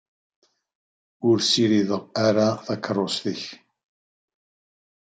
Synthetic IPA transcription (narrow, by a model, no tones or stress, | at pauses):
ʊɾsiɾiðəʁaɾaθækʰːərˤːosθəç